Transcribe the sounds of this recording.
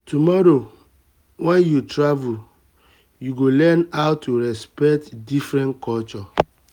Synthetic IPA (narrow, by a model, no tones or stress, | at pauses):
tumɔɾo | wɛnjutɾavul | juɡolɛnaʊtːuɾɛspɛk̚tdifɾɛ̃nkɔlt͡ʃɔ